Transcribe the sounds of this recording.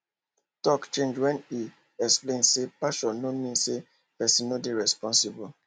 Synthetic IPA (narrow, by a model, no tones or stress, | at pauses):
tɔkt͡ʃẽnd͡ʒwɛ̃ni | ɛksplẽnsepaʃɔ̃nomĩnse | pɛsĩnodeɹɛspɔ̃nsibu